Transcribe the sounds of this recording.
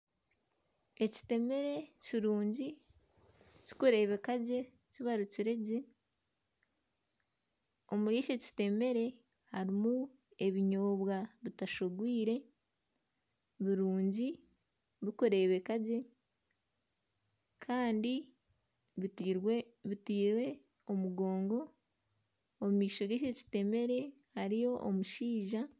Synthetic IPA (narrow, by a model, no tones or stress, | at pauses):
e̞ci̥te̞me̞ɾe̞ciɾuːɲɟi | ci̥koɾe̞ːβe̞kaɟe̞ | ciβaɾuciɾe̞ɟe | o̞muɾiːʃeci̥te̞me̞ɾe̞ | haɾimu | e̞βiɲoːβwaβitaʃoɡwiːɾe̞ | βiɾuːɲɟi | βikuɾe̞ːβekaɟe̞ | kʰaːndi | βitiːwe̞ | omuɡo̞ːŋɡo̞ | mumiːʃo̞ɡeʃeci̥te̞me̞ɾe̞ | haɾijo̞ʔomuʃiːʒa